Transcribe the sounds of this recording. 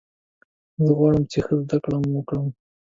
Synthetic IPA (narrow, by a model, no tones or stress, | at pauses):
zəɣwɑɽəmt͡ʃexəzd̪akɽamwəkɽəm